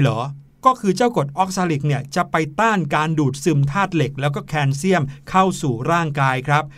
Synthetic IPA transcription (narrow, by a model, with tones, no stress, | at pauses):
lɔː˩˦ | kɔː˥˩kʰɯː˧t͡ɕaː˥˩wko˨˩t̪̚ʔɔ˦˥k̚saː˧li˨˩k̚ni˥˩ət͡ɕa˨˩ʔpa˧jt̪aː˥˩ŋkaː˧nduː˨˩t̪̚sɯ˧˩mt̪ʰaː˥˩t̪̚le˨˩k̚lɛː˦˥wkɔː˥˩kʰɛː˧nsi˥˩əmkʰa˥˩wsuː˨˩ɾaː˥˩ŋkaː˧jkʰɾa˦˥p̚